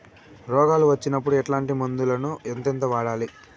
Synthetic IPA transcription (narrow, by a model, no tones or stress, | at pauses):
ɾɔːɡaːluʋɐt͡ʃːinɐpːuɽuɛʈlaːɳʈimond̪ulɐnuent̪ent̪ɐʋaːɽaːli